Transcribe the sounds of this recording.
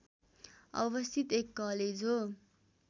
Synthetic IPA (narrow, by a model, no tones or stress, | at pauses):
ʌ̰bʌst̪ʰit̪ekːʌled͡zɦo